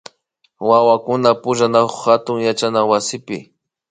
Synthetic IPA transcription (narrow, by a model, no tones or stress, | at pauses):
wawakʊnapʊʒanakʊχhat̪ʊŋjat͡ʃanawasɪpɪ